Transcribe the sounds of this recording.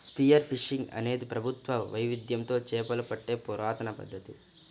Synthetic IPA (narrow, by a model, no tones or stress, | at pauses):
spijɐɾpʰiʂːiŋɡɐ̰ne̞ːd̪ipɾɐbʱut̪ʋɐʋɐjʋid̪jɐnt̪o̞ːt͡ʃɛːpɐlupɐʈːe̞ːpuɾaːt̪ɐnɐpɐ̰d̪ʱːɐt̪i